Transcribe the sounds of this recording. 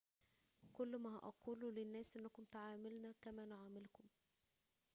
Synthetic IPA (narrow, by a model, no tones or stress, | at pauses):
kʊlːmæhæ̰ʔɑquːlulɪnːæːsʔenːækʊmt̪aʕaːmɪlnækæmæːnʕaːmɪlkʊm